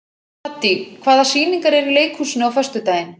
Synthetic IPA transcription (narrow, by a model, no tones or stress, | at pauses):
at̪ːikʰvaːðasiːniŋkaɾɛɾileːjkʰhuːsɪnʏawfœrst̪ʏt̪aːjɪn